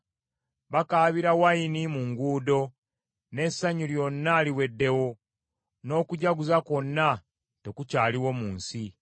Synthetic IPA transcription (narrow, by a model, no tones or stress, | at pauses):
βakaːβiɾawainimuŋɡuːdo̞ | ne̞sːaɲuljo̞nːaliwe̞dːe̞wo̞ | no̞ːkuɟaɡuzako̞nːa | te̞kucaːliwo̞muːnsi